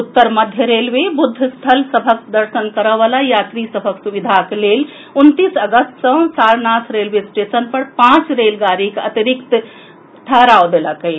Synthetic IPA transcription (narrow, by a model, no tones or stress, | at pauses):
ut̪ːəɾməd̪ʱjəɾelʋebud̪ʱːst̪ʰəlsəbʱəkd̪əɾʃənkəɾəʋalajat̪ɾisəbʱəksuʋid̪ʱakelel | unt̪isəɡəst̪sə̃saɾnasɾelʋesʈesənpəɾpãt͡ʃɾelɡaɾikət̪iɾikt̪ | t̪ʰəɾaod̪eləkəi